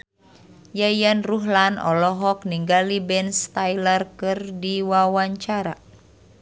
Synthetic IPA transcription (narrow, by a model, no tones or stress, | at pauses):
jajanruɦlanɔ̰lɔɦɔk̚niŋɡalibɛnst̪ajlərkɨrdiwawaɲt͡ʃaɾa